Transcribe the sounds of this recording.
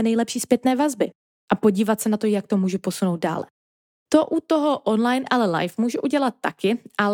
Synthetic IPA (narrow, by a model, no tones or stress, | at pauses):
ɛnɛjlɛpʃiːspjɛt̪nɛːvazbɪ | ʔapo̞ɟiːvat̪sɛnat̪o̞jak̚t̪omuːʒupo̞suno̞wt̪̚da̰ːlɛ̰ | t̪oʔut̪oɦo̞ʔonlajnʔalɛla̰jfmuːʒuʔuɟɛlat̪̚ːakɪʔa